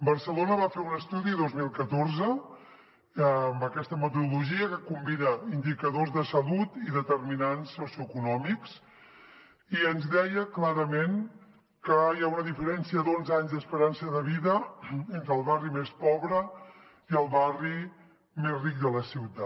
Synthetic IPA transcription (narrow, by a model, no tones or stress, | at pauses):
bərsəlonəβafeunəst̪uðiðozmilˠkət̪oɾzə | mbəkɛst̪əmət̪uðuluʒiəkəkumbinəind̪ikəðozðəsəlut̪iðət̪əɾminansːosiuəkunɔmiks | iənzðɛjəklaɾəmen | kəjaunəðifəɾɛnsiəd̪onzaɲzd̪əspəɾansəðəβiðəent̪ɾəlˠβarimespɔβɾə | iəlˠβari | mezrik̚d̪ələsiwt̪a